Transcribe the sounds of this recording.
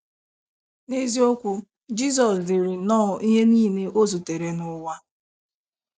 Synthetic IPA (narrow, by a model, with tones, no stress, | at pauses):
ne˦zi˦o˦kʷu˦ | d͡ʒi˦s̬ɔ˨slɪ˨ɾɪ˨nɔː˦˨i˦ɦe˦niː˦˨ne˦ʔo˦zu˨te˨ɾe˨˦nʊ˦wa˦